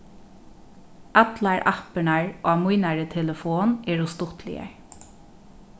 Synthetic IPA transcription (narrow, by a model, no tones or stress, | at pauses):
at̪laɹʔa̰hpənaɹʔaːmujnaɹət̪ʰɛləfoːnɛːɹʊst̪ʊht̪lɪ̰ə̰ɹ